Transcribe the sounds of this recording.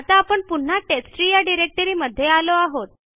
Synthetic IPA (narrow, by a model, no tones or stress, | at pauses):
at̪aːpəɳpuɳ̤ːaʈesʈɾijaɖiɾek̚ʈəɾiːməd̪ʱːjealoaɦot̪̚